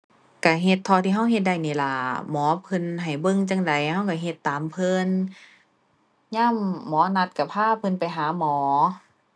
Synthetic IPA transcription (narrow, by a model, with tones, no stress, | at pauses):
ka˧˩ɦe˧t̪ʰːɔː˧t̪ʰiː˧ɦa˧˥˨wɦe˧t̪̚da˧˩jniː˧˩la˧˩mɔː˨˦pʰɯ˧nɦa˨˩jbɤ˧˨ŋt͡ɕa˧˨ŋda˨jha˧˥˩wka˧˩ɦe˧t̪ːaː˨˦mpʰɤː˧˥˨n | ɲaː˥˨mːɔː˨˦na˧t̪̚ka˧˩pʰaː˧˥˨pʰɯ˧˨npa˨jɦaː˨˦mɔː˨˦